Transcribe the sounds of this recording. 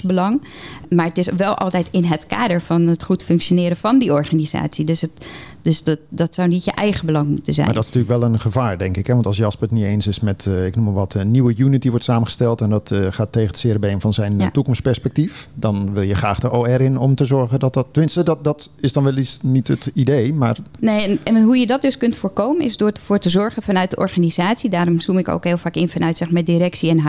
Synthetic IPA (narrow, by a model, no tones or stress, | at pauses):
bəlɑŋmaːɹətɪsʋɛlˠʔɑ̰lˠtɛjtɪnɦətkaːdəɹvɑnətχutfɵŋkʃjonɪːɾəv̥ɑndiɔɹχaniza̰ːtsidøsə | døsddɑtsawnitjəʔɛjχəbəlɑŋmutənzɛ̰jmandɔtɪsnətyːləkʋɛlˠənχəvaːɹdɛŋkɪkɦɛʋɑntɑlˠsjɑspəətnitejnsɪsmɛtɪknuməʋɑtənːiwəjunitiʋɔɹtsaːmənχə̥stɛlˠtɛndɑtχaːtːejɣədəsɪrəbejnfɑnzɛjntukɔmspɛɹspɛk̚tifdɑnʋɪlˠjəχraːχdəʔoːɛɾɪnɔmtəzɔɹχəndɔt̚dɔtːəmɪnstəddɑtɪsdɑnʋɛlˠisnitətideːmaːɹnejɛnɦujədɔt̚døskɵntfʊːɹkowmənɪsdʊːfʊːɹtəzɔɹχənvɑnœɥt̚dəʔɔ̰ɹχanizaːtsidaːrɔmzumɪko̰wkɦeːlˠfaːkɪnfɑnœɥtsɛxmadirɛksiɛnɦ